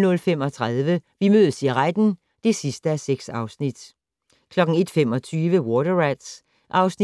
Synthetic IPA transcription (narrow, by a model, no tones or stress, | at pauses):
nɔ̽lfemɒ̽t͡sʰʁaðˠʋəʋimøðˠsiɐʁad̥n̩ | d̥e̝sisd̥əæseɡ̥sɑ̈ʊsnid̥ | kʰlɒ̽ɡ̥ŋ̩e̝d̥femɒ̽t͡sʰyːʋəwɒdɐʁæd̥s | ʔɑ̈ʊsn